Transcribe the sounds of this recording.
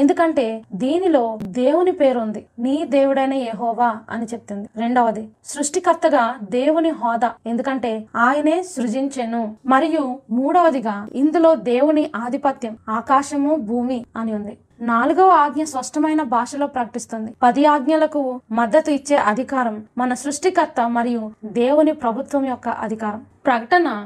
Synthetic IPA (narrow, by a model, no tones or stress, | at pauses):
e̞nd̪ukɐɳʈe̞ːd̪iːnilo̞ːd̪e̞ːwunipe̞ːɾund̪iniːd̪e̞ːwuɽɐjnɐjeɦɔːʋaːɐ̰nit͡ʃe̞p̚t̪und̪iɾe̞ɳɖɐʋɐd̪isɾuʂʈikɐt̪ːɐɡaːd̪e̞ːwuniɦɔːd̪aːe̞nd̪ukɐɳʈe̞ːaːjɐneːsɾud͡ʒiɲt͡ʃɐnumɐɾijumuːɽɐʋɐd̪iɡaːind̪ulo̞ːd̪e̞ːwuniʔaːd̪ʱipɐt̪jɐmaːkaːʃɐmubʱuːmiɐniund̪i | naːluɡɐʋɐaːɡnɐspɐʂʈɐmɐjnɐbʱaːʂɐlo̞ːpɾɐkɐʈist̪und̪ipɐd̪ijaːɡnjɐlɐkumɐd̪ːɐt̪uit͡ʃːe̞ːʔɐd̪ʱikaːɾɐmːɐnɐsɾuʂʈikɐt̪ːɐmɐɾijud̪e̞ːwunipɾɐbʱut̪ʋɐmjɔkːɐʔɐ̰d̪ʱikaːɾɐmpɾɐkɐʈɐnɐ